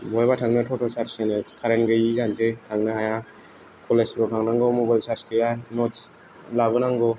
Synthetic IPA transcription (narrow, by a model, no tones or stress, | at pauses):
bɔjbatʰaŋnɯtʰɔtʰɔsaɾsɯnɯkʰaɾenɡɯjiɡanzetʰaŋnɯhaja | kʰɔlesɾɔtʰaŋnaŋɡɔmɔbajlsaɾskɯjanɔt͡ʃ | laβɯnaŋɡɔ